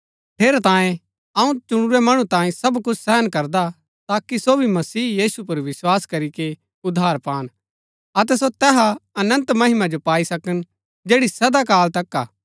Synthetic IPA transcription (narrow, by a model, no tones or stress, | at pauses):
ʈʰeːɾat̪ãːjẽ | ɐũt͡ʃʊɽ̃uɾɛmɐɽ̃ũt̪ãːjẽsɐbkʊt͡ʃʰsɛːɦənkɐɾd̪a | t̪aːkisobʱimɐsiːjiːsupɐɾʋɪswaːskɐɾike | ʊd̪ʱːaːɾpaːn | ɐt̪ɛsot̪ɛːɦaɐnə̃nt̪mɐɦɪmad͡ʒopaːisɐkən | d͡ʒeːɽisɐd̪akaːlt̪ɐkːa̰ː